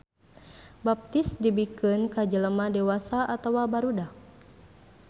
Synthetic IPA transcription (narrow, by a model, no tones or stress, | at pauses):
bap̚t̪isdibikɨnkad͡ʒələmadewasaʔat̪awabaɾudak